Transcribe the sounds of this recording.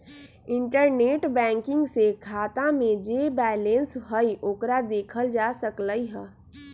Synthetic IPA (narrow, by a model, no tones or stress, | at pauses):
ɪ̃ɳʈəɾneːʈbɛ̃ːŋkɪ̃ŋɡsekʰaːt̪ãmẽd͡ʒebɛːlensɦəiʔoːkɾad̪eːkʰəld͡ʒasəkləiɦɛː